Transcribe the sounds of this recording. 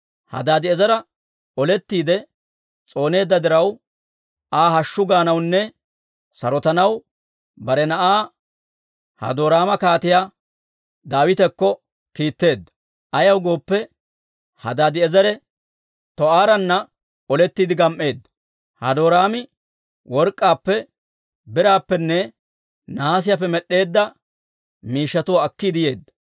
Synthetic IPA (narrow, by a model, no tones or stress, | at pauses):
hɐ̰d̪aːd̪ɪɛzɐɾɐ | ɔlɛt̪ːiːd̪ɛ | t͡sʼo̞ːne̞ːd̪ːɐd̪ɪɾɐw | aːɦɐʃːʊɡaːnɐwnːɛ | sɐɾɔt̪ɐnɐw | bɐɾɛnɐʔaː | hɐ̰d̪oːɾaːmɐkaːt̪ɪjaː | d̪aːwɪt̪ɛkːɔ | kiːt̪ːe̞ːd̪ːɐ̥ | ʔɐjɐwɡo̞ːpːɛ | hɐd̪aːd̪ɪɛzɐɾɛ | t̪ɔaːɾɐnːɐ | ɔlɛt̪ːiːd̪ɪɡɐmʔːe̞ːd̪ːɐ̥ | hɐ̰d̪o̞ːɾaːmɪ | wɔɾkʼːaːpːɛ | bɪɾaːpːɛnːɛ | naːs̬ɪjap̬ːɛmɛɗːe̞ːd̪ːɐ | miːʃːɐt̪ʊwaːkːid̪ɪje̞ːd̪ːɐ̥